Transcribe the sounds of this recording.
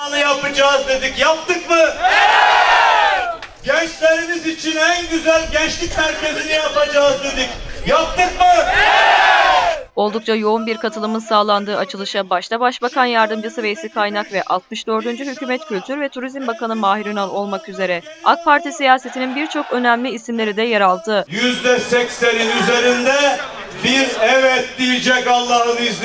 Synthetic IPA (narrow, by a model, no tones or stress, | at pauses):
nɯjapɯd͡ʒaːzd̪e̞d̪icjap̚t̪ɯkmɯ | ɟɛt͡ʃseɾimizit͡ʃʰinænɟyzælʲɟɛt͡ʃlʲicʲsæɾce̞zinijapad͡ʒaːzd̪e̞d̪icjap̚t̪ɯkmɯ | o̞lˠd̪uk̚t͡ʃʰajo̞unbiɾkʰat̪ʰɯlˠɯmɯnsaːlˠand̪ɯːat͡ʃʰɯlˠɯʃabaʃt̪ʰabaʃbakʰanjaɾd̪ɯmd͡ʒasɯve̞jesikʰajnakvɛʔa̰lˠt̪̚mɯʃd̪ø̞ɾd̪ynd͡ʒyhycʰyːmɛt̪cʰylʲt̪ʰyɾvɛt̪ʰuɾizmbakanɯmaːɦiɾinalˠo̞lˠmakyze̞ɾɛ | ak̚pʰaɾt̪ʰisijaːse̞t̪ʰininbiɾt͡ʃʰo̞kø̞næmlʲiːsimlʲe̞ɾid̪ɛjaɾalˠd̪ɯjyzd̪ɛsɛkʲseɾinyze̞ɾind̪ɛ | biɾɛvɛt̪̚d̪ijid͡ʒɛkalˠːannɯjz